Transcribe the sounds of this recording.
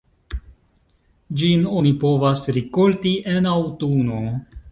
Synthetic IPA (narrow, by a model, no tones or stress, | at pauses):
d͡ʒino̞nipo̞vasɾikoltiʔe̞nawtuno̞